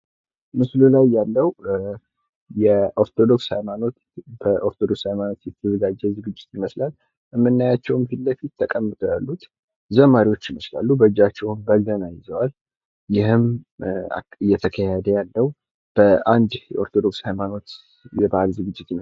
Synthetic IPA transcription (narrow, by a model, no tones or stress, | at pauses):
mɨslulajːalːəw | jɛʔo̞ɾt̪ʰo̞d̪o̞kshajmano̞t̪ | bəʔo̞ɾt̪ʰod̪o̞kshajmano̞t̪jɛt̪ʰːəzəɡad͡ʒːɛzɨɡɨd͡ʒːɪt̪jɪməslal | ɨmːɨnːajat͡ʃːɛwmhɨlːəfit̪ːəkʼəmːɨt̪ʼojalːut̪ | zəmaɾiwo̞t͡ʃːjɪməsla̰lːubəd͡ʒːat͡ʃːɛwmbəɡənajɪzəwal | jɪɦɨma̰ɨjːɛt̪ʰəkʰəjəd̪əjalːəw | b̥əʔand̪jɛo̞ɾt̪ʰod̪o̞kshajmano̞t̪ | jɛbahalzɨɡɨd͡ʒːɪt̪jɪm